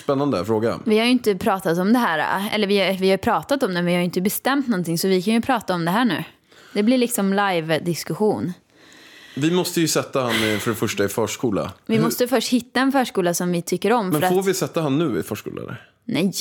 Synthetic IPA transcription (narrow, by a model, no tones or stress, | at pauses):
spɛnːand̪əfɾoːɡa̰vɪhaɾjʏɪnt̪əpʰɾɑːt̪at̪ɔmd̪ɛɦæːɾa̰ɛ̰lːəɾvɪvɪhajɵpʰɾɑːt̪at̪ɔmd̪ɛvɪhajʏɪnt̪əbɛst̪ɛmt̪nɔnt̪ɪŋsɔvɪkʰanjɵpʰɾɑːt̪aɔmd̪ɛɦæːɳʉ̟ː | d̪ɛblɪlɭɪksɔmlajvd̪ɪskɵɧuːn | vɪmɔst̪əjɵsɛt̪ːahanːfœɖɛfœʂʈaɪfœːʂkuːla̰vɪmɔst̪əfœʂʈhɪt̪ːaɛnfœːʂkuːlasɔmvɪt̪ʰʏkːəɾɔmːfmɛœɾafoːɾvɪsɛt̪ːahanːʉ̟ːɪ̰fœ̰ːʂkṵːla̰nə̰ | nɛj